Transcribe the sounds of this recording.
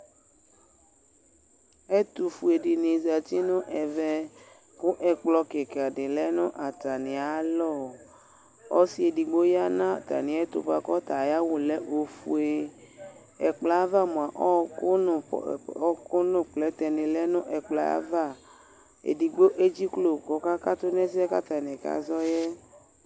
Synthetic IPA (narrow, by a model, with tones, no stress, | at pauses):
e˦t̪u˨fu˨e˨ɖi˨nẽ˨za˨ti˦nʊ̃˦ʔɛ˨vɛ˦ | ko˦ʔɛ˨k͡plɔ˦ke˨ke˨a˨ɖɪ˨lɛ˦nʊ̃˦ʔa˨t̪a˨nĩ˨a˨˦lɔ˦˨ | ɔ˦si˦e˨di˨ɡ͡bo˦ja˦nã˦˨t̪a̰˨nĩ˨ɛ˦t̪ṵ˨ɸa˨kɔ˦t̪a˨ja˦wo˨lɛ˦ʔo˨fṵ˨e˦ | ɛ̰˨k͡pla˨˦a˦va˦mõ˨a˨ʔɔ˦ko˦n˨˦ | ko˦nʊ̃˦k͡plɛ˦t̪ɛ˨nẽ˨lɛ˦nʊ̃˦ʔɛ˨k͡pla˨˦a̰˦va˦˨ | ḛ˨di˨ɡ͡bo˦ʔe˦d͡ʒi˦klo˨kɔ˨ka˦ka˦t̪o˦nɛ̃˦s̬i˦ɛ˦ka˦t̪a˨nẽ˨ka̰˨zɔ˦jɛ˦